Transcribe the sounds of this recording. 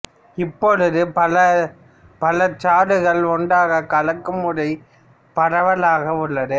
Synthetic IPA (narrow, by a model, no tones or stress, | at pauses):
ɪpːɔɭɯðɯpɐlɐ | pɐlɐt͡ʃaːɽɯɣɐɭɔɳɖaːɣɐkɐɭɐkːɯmɯɽɐɪ | pɐɽɐʋɐlaːɣɐʊɭːɐðɯ